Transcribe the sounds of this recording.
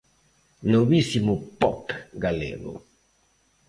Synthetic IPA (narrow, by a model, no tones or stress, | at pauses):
nomisimupɔpɡalḛɡo̰